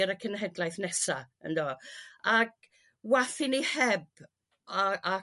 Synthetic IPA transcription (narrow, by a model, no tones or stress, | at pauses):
ɾəkʰənɦɛdlˠajθnɛsa | ə̰ndoːaɡ | waθɪnihɛb | aa